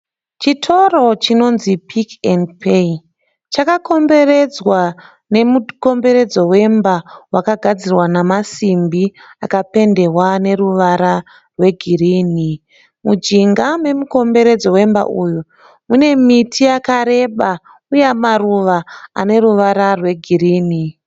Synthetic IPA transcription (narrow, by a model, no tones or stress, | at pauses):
t͡ʃitʰo̞ro̞t͡ʃino̞nzipʰikendpʰe | t͡ʃakako̞mbe̞re̞d͡zwa | ne̞muko̞mbe̞ɾe̞d͡zo̞we̞mbawakaɡʱad͡zirwanamasimbiakape̞nde̞rwane̞ruʋaɾa | rwe̞ɡʱiriːni | mud͡ʒiŋɡame̞muko̞mbe̞ɾe̞d͡zo̞we̞mba̰ʔuju | mune̞mitʰijakaɾe̞ɓa | ujemaruʋaa̰ne̞ruʋaɾarwe̞ɡʱiriːni